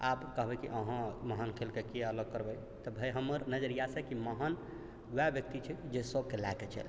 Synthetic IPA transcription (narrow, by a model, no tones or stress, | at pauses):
apkəɦbɛkiʔəɦãməɦənkʰelkekeələɡ̚kəɾbəj | t̪əbʱəjɦəmːəɾnəd͡ʒəɾijasɛkiməɦən | wɛbjək̚t̪it͡ʃʰɛd͡ʒesəbkelaket͡ʃʰɛ̰l